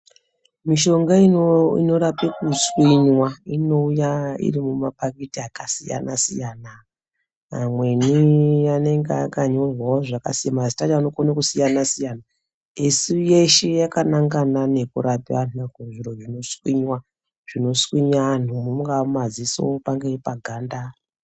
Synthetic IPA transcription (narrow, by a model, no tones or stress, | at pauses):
miʃo̞ŋɡainḭno̞ɾapekuswiɲwaino̞ujaḭrimumapakitiakasija̰nasijaːna | mwe̞nijane̞ŋɡeakaɲo̞rwaoʐaka̰sijamazitad͡ʒaanokonakusijanasijana | isuje̞ʃejakanaŋɡanane̞kuɾapiʋan̤unakunʐiɾo̞ʐino̞swiɲwa | ʐ̥ino̞swiɲaan̤umumuɡaumaziso̰opaŋɡepaɡʱaːnda